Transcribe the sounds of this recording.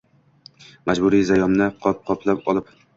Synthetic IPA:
mad͡ʒbʊɾijzajɒmnɪqʰɒp̚qʰɒpʰlapɒlˠɪp

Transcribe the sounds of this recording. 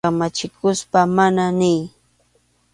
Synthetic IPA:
amat͡ʃɪkʊspamananɪj

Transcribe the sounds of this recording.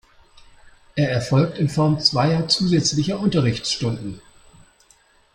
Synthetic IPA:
ʔeːɐɛɐfɔlk̚tɪnfɔɐmt͡sv̥aɪɐt͡suːzɛt͡slɪçɐʔʊntɐʁɪçt͡sʃtʊndn̩

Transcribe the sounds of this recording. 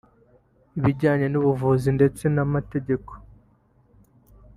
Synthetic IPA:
iβiɟaːɲe̞nuβuvuzinde̞t͡se̞namate̞ɟe̞ko̥

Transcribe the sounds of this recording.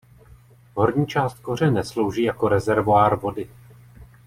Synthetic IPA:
ɦo̞ɾɲiːt͡ʃaːst̪̚ko̞r̝ɛnɛslo̞wʒiːjako̞ɾɛzɛɾvoaːɾvo̞dɪ

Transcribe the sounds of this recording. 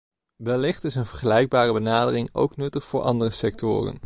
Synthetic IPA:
ʋɛlːɪχtɪsənvəɹχəlɛjɡ̚baːrəbənaːdərɪŋo̰wknɵtəχfʊːɹʔɑ̰ndərəsɛk̚tʊ̰ːrə̰n

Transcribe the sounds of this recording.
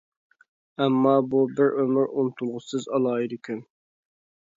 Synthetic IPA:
ɛmːɑːbubɪɾʔømɪɾunɨt̪ʰulˠʁʊsɨzɑlˠɑːjid̪ukʲʰyn

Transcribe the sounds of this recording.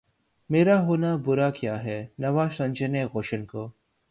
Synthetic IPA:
meːɾaɦoːnabʊɾakjaːɦɛːnɐʋaːzsɐ̃ɲt͡ʃəneɣoːʃənkoː

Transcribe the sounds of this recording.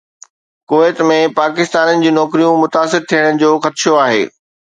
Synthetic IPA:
koːeːt̪mẽpaːkɪst̪aːnənɪ̆d͡ʑiːnɔːkɾijũmʊt̪aːsɪɾt̪ʰijəɽənɪ̆d͡ʑoːxɐt̪ɪʃoaːɦḛː

